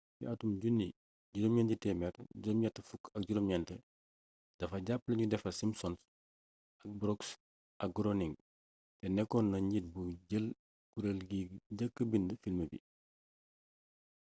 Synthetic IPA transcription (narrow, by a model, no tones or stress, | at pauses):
jḭɐtumɟunːi | ɟuɾumɲɛntitɛːmɛrɟuɾɔmɲɐtːəfukːɐk̚ɟuɾɔmɲɛntə | d̥ɐfɐɟapːlɐɲudɛfɐsimsɔns | ɐk̚bɾɔks | ʔɐk̚ɡɾoniŋ | tɛnɛkːɔnːɐɲit̚buɟəl | kuɾelɡiɟəkːəbindəfilməbḭ